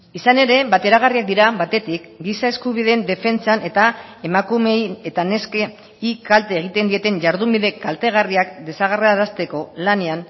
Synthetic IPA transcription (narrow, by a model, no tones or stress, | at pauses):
isane̞ɾe̞βat̪e̞ɾaɣariak̚d̪iɾaβat̪e̞t̪ikɡisae̞skuβ̞iðend̪e̞fe̞nt͡sane̞t̪ae̞makume̞je̞t̪ane̞ske | ikalt̪e̞ːɣ̞it̪e̞nd̪ie̞t̪e̞nʝaɾðumbiðe̞kalt̪e̞ɣ̞ariakd̪e̞saɣ̞areaðast̪e̞ko̞lane̞an